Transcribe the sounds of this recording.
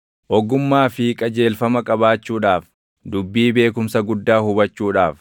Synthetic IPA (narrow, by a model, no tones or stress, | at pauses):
ʔɔɡʊmːaːfɪkʼɐd͡ʒe̞ːlfɐmɐkʼɐbaːt͡ʃːuːᶑaːf | d̪ʊbːiːbe̞ːkʊmsɐɡʊd̪ːaːhʊbɐt͡ʃːuːᶑaːf